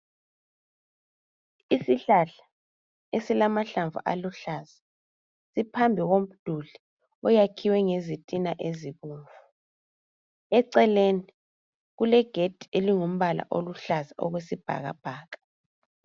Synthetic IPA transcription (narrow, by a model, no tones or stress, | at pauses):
isiɬaɬḁ | esilamaɬaɱvṵʔa̰luɬaz̥a | sipʰambʱiɣom̩d̥ʱuɮi | ɔjakʰiwɛŋezitʼinaʔeziβuːɱvu | ɛǀɛleni | ɣulɛɡ̥ʱed̥ʱi̥eliŋom̩βala̰ʔo̰luɬazaɔ̰ɣwesib̥ʱa̰ɣa̰b̥ʱaːɣa